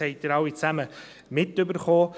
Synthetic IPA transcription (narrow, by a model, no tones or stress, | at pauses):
hɛɪt̚əɾɑwit͡sæmə | mɪtʏbəɾχoː